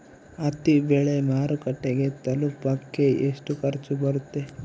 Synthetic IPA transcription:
ɐt̪ibeɭemaːɾukɐʈːeɡe̞t̪ɐlupɐkːe̞eʂʈukɐɾt͡ʃubɐɾut̪ːe̞

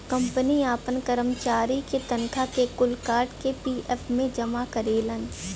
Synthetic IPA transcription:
kɐ̃mpəniaːpənkəɾəmt͡ʃaːɾiket̪ɐnkʰakekʊlkaːɾɖkepiːʔɛpʰmẽd͡ʒɐmakəɾeːlən

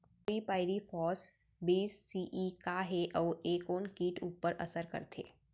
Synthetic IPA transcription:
piːpaːɪɾifʰɔːs | biːsːiːʔiːkaɦeʔɔːɾeːkoːnkiːʈuːpəɾʔɐ̰səɾkə̰ɾt̪ʰḛː

